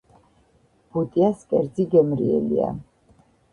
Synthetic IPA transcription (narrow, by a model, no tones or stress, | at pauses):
b̥ut̪ʼiaskʼɛɾd̪ziɡɛmɾḭɛ̰lḭa̰